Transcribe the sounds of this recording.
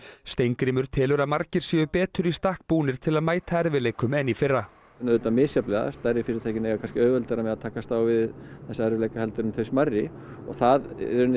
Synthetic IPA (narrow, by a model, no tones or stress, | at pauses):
st̪ejŋkɾɪːmʏɾ̥t̪ʰɪːlʏɾaðmaɾcɪɾ̥siʏpɛːt̪ʏɾist̪ahk̚puːnɪɾ̥t̪ʰɪlaðmaːjt̪ʰaɛɾvɪleːjkʏmɛnːifɪrːa | nːaðʏːt̪amɪːsjaplɛɣða̰st̪aɾɪfɪːɾɪt̪ʰaːjcɪnejɣakʰanscɪœːɣvɛlt̪ɛɾamɛðaðt̪ʰaːkast̪awvɪðθɛsːaɛɾvɪlejkahɛlt̪ʏɾʏmθeɥsmarːɪ | ɔ̰ɣθaðɛɾʏn